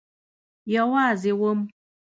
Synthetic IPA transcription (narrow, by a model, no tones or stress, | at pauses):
jɔwaziwom